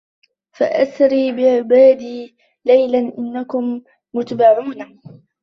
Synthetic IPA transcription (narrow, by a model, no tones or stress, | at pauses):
fa̰ʔasɾiːbɪʕɪbaːd̪iː | lajlanʔɪnːakʊmː | ʊt̪abɑrˤːuːna